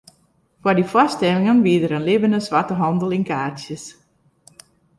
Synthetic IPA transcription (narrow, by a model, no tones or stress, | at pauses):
fwadifastɛlˠɪŋənʋiədəɾənlɪbəndəsʋatəɦɑndəlˠɪnkaːrtjəs